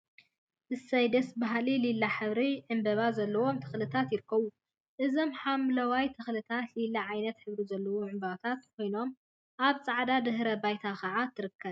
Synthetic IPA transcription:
ʔɨsɐjd̪ɐsbaɦlililːaħɨβɾiʕɨmbɐβazɐlːɐwo̞mt̪ʰɨ̥xlɨt̪ʰat̪jɪɾɨkːɐβu | ʔɨzo̞mħamlɐwajt̪ʰɨxlɨt̪ʰat̪lilːaʕajnɐt̪ħɨβɾizɐlːɐwuʕɨmbawt̪ʰat̪kʰʷo̞jno̞m | ʔaβt͡sʼaʕd̪ad̪ɨɦɾɐbajt̪ʰakʰɐʕat̪ʰɨɾɨkʰːɐβ

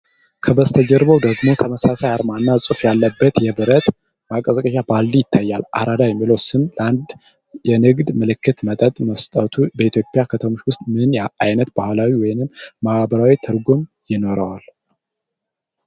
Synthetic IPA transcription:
kʰəbəst̪ʰəd͡ʒɛɾβəwd̪əɡmo̞t̪ʰəməsasajaɾmanːasʼufjalːəbːət̪jɛbɨɾət̪ | bakʼəzʼəkʼəʃabald̪ijɪt̪ʰːajːalʔa̰ɾad̪ajɛmːiləwsɨmland̪ | jɛnɨɡd̪mɨlɨkʰːɨt̪mət̪ʼət̪ʼməst̪ʼət̪ʰubəit̪ʰjopʼɪjakʰət̪ʰəmo̞t͡ʃwʊst̪ʼmɨnjajnət̪bahlawiwɔjnɨmːahbəɾawit̪ʰɨɾɡum | jɪno̞ɾəwal

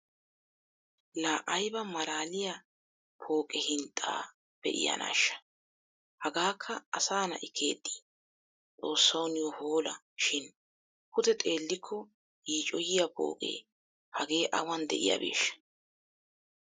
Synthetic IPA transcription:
laːʔɐjbɐmɐlaːlɪja | pʰo̞ːkʼɛhɪnt̪ʼa̰ː | b̥ɛ̰ʔɪ̰jɐ̰nʔa̰ːʃːɐ̥ | hɐɡaːkʰːɐɐsaːnɐʔɪkʰːe̞̰ːd̪ːi̥ | t͡sʼo̞ːsːɐwnɪjɔhoːlɐ | ʃɪn | pkʊt̪ɛt̪ʼe̞ːlːɪkʰːɔ | jiːt͡ʃʼɔjɪjapo̰ːkʼḛː | hɐɡe̞ːʔɐwɐnd̪ɛ̰ʔɪ̰ja̰bḛːʃːɐ̥

